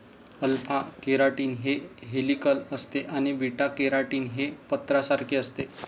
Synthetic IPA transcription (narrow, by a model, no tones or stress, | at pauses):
əlpʰakeɾaʈiːnɦeɦelikələst̪eʔañibʱiʈakeɾaʈiːnɦepət̪ɾasaɾkʰeəst̪e